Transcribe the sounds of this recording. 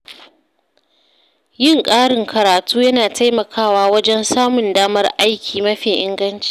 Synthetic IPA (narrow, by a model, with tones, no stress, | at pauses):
jɪ˦ŋkʼaː˦ɽɪ˨ŋkʰɐ˨ɾaː˨tuː˦jɐ˦naː˨tʰa˦jmɐ˨kʰaː˦waː˦wɐ˦d͡ʒɛ˦nsaː˦mʊ˨ndaː˦mɐ˦rʔa˦jkʲʰiː˨mɐ˦ɸiː˨ʔɪ̰˦ŋɡɐ˦nt͡ʃi̥ː˨